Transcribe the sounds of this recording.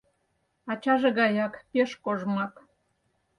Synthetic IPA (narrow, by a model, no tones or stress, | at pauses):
ɑt͡ɕɑʒeɣɑjɑkpeʃkoʒmɑt̪